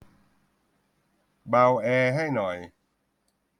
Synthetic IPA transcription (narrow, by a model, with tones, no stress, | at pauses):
baː˧wʔɛː˧ɦa˥˩jnɔ˨˩j